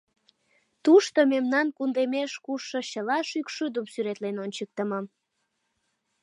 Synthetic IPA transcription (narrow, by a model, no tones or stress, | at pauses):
t̪uʃt̪omemnɑnkund̪emeʃkuʃːoɕəlɑʃykʃyd̪əmsyɾet̪lenonʲt͡ɕək̚t̪əməm